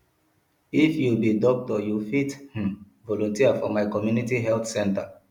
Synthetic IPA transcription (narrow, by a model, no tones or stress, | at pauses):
ifjubidɔk̚tɔjufith̩ | vɔlɔ̃ntiafɔmaɪkɔmjunitiɦɛlθsɛ̃nta